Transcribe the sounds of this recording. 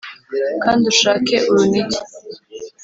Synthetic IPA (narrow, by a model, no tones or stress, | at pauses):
kaːnduʃaːke̞ʔuɾuniɟi